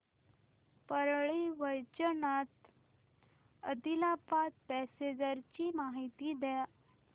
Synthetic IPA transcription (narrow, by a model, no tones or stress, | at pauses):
pəɾɭiʋəjt͡ɕənat̪ | əd̪ilapat̪̚pɛsed͡ʑəɾt͡ɕiːmaɦit̪iːd̪ja